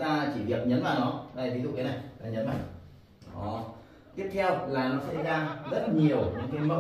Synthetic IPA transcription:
taː˧t͡ɕi˧˩vi˨˩ək̚ɲə˨˦nvaː˨˩nɔ˨˦ʔa˧˩vʰi˨˦zṵ˧˨˩kə˨˦na˨˩jaː˧˩ɲə˨˦nma̰˧˨ŋ | ɔ˨˦ | t̪i˦˥əp̚t̪ʰɛ˧wlaː˨˩nɔ˨˦sə̰˧˥jzaː˧zə˦˥t̚ɲi˨˩əwɲɔ̰˧˩ŋki˧˦mə˦˥

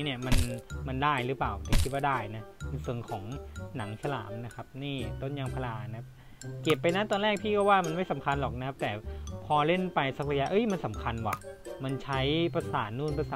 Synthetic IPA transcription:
i˦˥ni˥˩əma˧nma˧ndaː˥˩jɾɯː˦˥paː˨˩wt̪a˨˩kʰi˦˥waː˥˩daː˥˩jna˦˥˧sɯ˨˧˩əŋkʰɔː˩˦ŋna˩˦ŋsa˧la̰ː˩˦mna˦˥kʰa˦˥p̚niː˥˩t̪o˥˩nja˧ŋpʰa˧laː˧na˧a˥p̚ | ki˨˩əpːa˧jna˦˥t̪ɔː˧nlɛː˥˩k̚t̪ʰiː˥˩kɔː˥˩waː˥˩ma˧nma˥˩jsa˩˦mkʰa˧nlɔː˨˩k̚na˧˥kʰa˦˥p̚t̪ɛː˨˩pʰɔː˧le˥˩npa˧jsa˦˥k̚pʰa˧ja˦˧˥ʔɤ˦˥jma˧nsa˩˦mkʰa˧nwa̰˨˩ma˧nt͡ɕʰa˦˥jpa˧saː˩˦nːuː˥˩npa˧saː˨˦

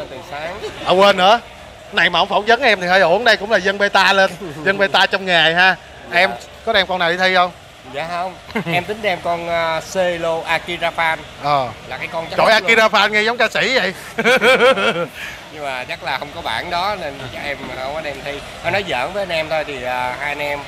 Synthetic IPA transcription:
ə˧nt̪i˨˩saː˨˦ŋʔə˨˧weː˧nːɨ̰˧˥ə | na˨˩jmaː˨˩hə˧˦wŋ͡mfə̰˧˦ŋ͡mzə˨˦nʔɛ˧mt̪ʰi˨˩əː˧˩ʔo̰˧˩˦ənɗa˨˩jkʊ̰˧˥ŋ͡mlaː˨˩zə˧nɓe˧t̪aː˧le˧nzə˧nɓe˧t̪aː˧t͡ɕɔ˧wŋ͡mŋaː˨˩jɦaː˧ | ʔɛ˧m | kɔ˨˦ɗɛ˧mkɔ˧nːaː˨˩ɗi˨˧t̪ʰi˧hə˧wŋ͡m | zaː˨˩hə˧wŋ͡mʔɛ˧mt̪ï˨˦ŋ̟ɗɛ˧mkɔ˧n˧se˧lo˧ʔaː˧ki˧zaː˧faː˧nʔəː˨˩laː˨˩kaː˨˦jkɔ˧nt͡ɕt͡ɕo̰˧˩jʔaː˧i˧zaː˧faː˧nŋɛ˧za˨˦wŋ͡mkaː˧si˧˩zə˨˩j | ɲɨ˧ŋmaː˨˩t͡ɕa˦˥t̚laː˨˩hə˧wŋ͡mkɔ˨˦ɓa̰ː˧˩nɗɔ˨˦ne˧n˨˩t͡ɕa˨˦˩kʔɛ˧m˨˩˧wkɔ˨˦ɗɛ˧˩mt̪ʰi˧ | həː˨˦nɔ˨˦jzə̰ː˧˨˥nvə˨˦˧nʔɛ˧mt̪ʰo˧jt̪ʰi˨˩ʔəː˨˩haː˧jnɛ˧m

